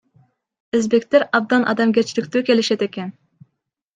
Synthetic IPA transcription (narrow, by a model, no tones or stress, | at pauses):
ɪzbekʲt̪ɪɾɑb̚d̪ɑnʔɑ̰d̪ɑmɡʲɛt͡ʃʰlɪkʲt̪ukʲelɪʃɛt̪ekʲɛn